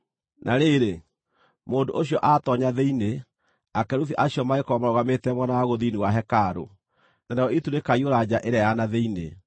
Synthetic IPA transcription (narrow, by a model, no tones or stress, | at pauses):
nʔaɾeɾe | moːndoʔoɕjɔʔatɔɲaðeine | akɛɾuθiʔaɕiɔmaekɔmaɾɔɣametɛmwɔnawaɣoðiniwaɦɛkaɾo̰ | nanajɔitunekaioɾad͡ʑaʔeɾajanaðeinḛ